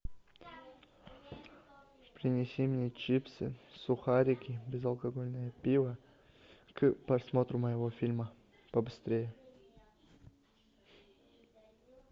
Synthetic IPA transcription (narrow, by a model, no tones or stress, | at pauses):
pɾʲɪnʲɪsʲimnʲet͡ɕipsɨsʊxaɾʲɪkʲɪbʲɪzɐlˠkɐɡo̞lʲnəjəpʲivə | kpɾɐsmo̞t̪ɾʊməjɪvofʲilʲmə | pəbɨst̪ɾʲejɪ